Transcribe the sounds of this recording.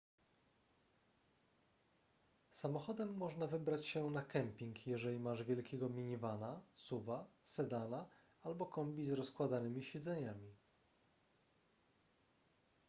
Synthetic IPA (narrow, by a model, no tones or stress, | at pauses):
samɔxɔd̪ɛmːɔʐnavɘbɾat͡ɕɕɛnakɛmpʲiŋkjɛʐɛlʲimaʐvʲjɛlkʲɛɡɔmʲiɲivanasuvasɛd̪ana | albɔkɔmbʲizɾɔskwad̪anɘmʲiɕɛd̪zɛɲamʲi